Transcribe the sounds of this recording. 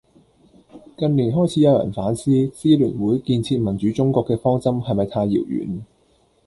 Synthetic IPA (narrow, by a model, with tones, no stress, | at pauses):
kɐ˨˧nliː˨˩nɦɔː˥jt͡sʰi˨˥jɐ˨˧wjɐ̰˨˩nfaː˨˥nsiː˥siː˥lyː˨˩nwuː˨˥jkiː˧nt͡sʰiː˧t̚mɐ˨˩nt͡ʃyː˨˥t͡sʊ˥ŋkʷɔː˧kːɛː˧fɔː˥ŋt͡sɐ˥mhɐ˨jmɐ˨jt̪ʰaː˧jːḭ˨˩wjy̰ː˨˩n